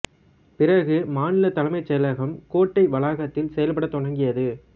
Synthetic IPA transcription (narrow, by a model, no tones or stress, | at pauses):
pɪrɐɣɯmaːnɪlɐt̪ːɐlɐmɐɪt͡ʃːɛlɐɣɐmkoːʈːɐɪʋɐlaːɣɐt̪ːɪlsɛjɐlpɐɽɐt̪ːɔɳɐŋɡɪjɐðɯ